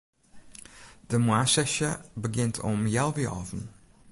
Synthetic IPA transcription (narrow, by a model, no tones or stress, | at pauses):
d̥əmwasɛʃəbəɡɪntʰɔ̰mjɛlˠviɔ̰vən